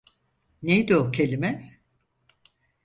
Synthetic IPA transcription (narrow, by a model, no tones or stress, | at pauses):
nejd̪iocʰelʲimɛ